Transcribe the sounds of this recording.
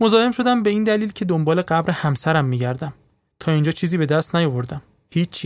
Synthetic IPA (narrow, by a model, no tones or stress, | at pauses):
mo̞zɒːhe̞mʃo̞d̪æmbe̞iːnd̪æliːlcʰed̪ombɒːle̞ɢæbɾe̞hæmsæɾæmːiːɟæɾd̪æm | t̪ʰɒːind͡ʒɒːt͡ʃʰiːziːbe̞d̪æst̪næjo̞vo̞ɾd̪æm | hiːt͡ʃʰːi